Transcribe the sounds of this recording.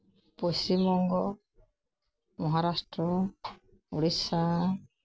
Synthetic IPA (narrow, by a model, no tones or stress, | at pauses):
pɔsimɔŋɡɔ | mɔɦaɾasʈɾɔ | uɽisa